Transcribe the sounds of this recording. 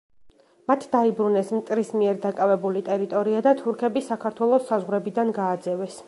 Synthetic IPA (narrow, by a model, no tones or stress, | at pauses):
mat̪ʰd̪aibɾunɛsmt̪ʼɾismiɛɾd̪akʼavɛbulit̪ʼɛɾit̪ʼɔɾiad̪at̪ʰuɾkʰɛbisakʰaɾt̪ʰwɛlˠɔsazʁwɾɛbid̪anɡaːd̪zɛvɛs